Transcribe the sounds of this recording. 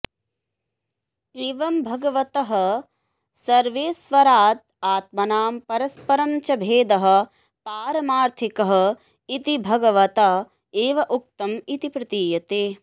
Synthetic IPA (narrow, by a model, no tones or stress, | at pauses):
eːʋɐmbʱɐɡɐʋɐt̪ɐɦɐ̆ | sɐɾʋeːsʋɐɾaːt̪̚ | aːt̪̚mɐnaːmpɐɾɐspɐɾɐmt͡ʃɐbʱeːd̪ɐɦɐ̆ | paːɾɐmaːɾt̪ʰikɐɦɐ̆ | it̪ibʱɐɡɐʋɐt̪ɐ | eːʋɐʔuk̚t̪ɐmit̪ipɾɪt̪iːjɐt̪eː